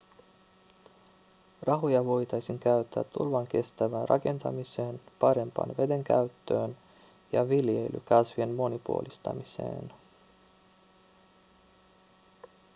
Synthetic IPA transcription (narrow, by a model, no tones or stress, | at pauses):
rɑɦojɑʋo̞jt̪ɑjsiŋk̟æyt̪ːæ̰ːt̪ːṵlʋɑŋk̟e̞st̪æʋænrʔɑ̰ke̞nt̪ɑmise̞ːnpɑɾe̞mpɑ̰ːnʋe̞deŋk̟æ̰ɥt̪ːøːn | jɑʋilje̞jly̰kɑsʋie̞nmo̞nipuolist̪ɑ̰mise̞̰ːn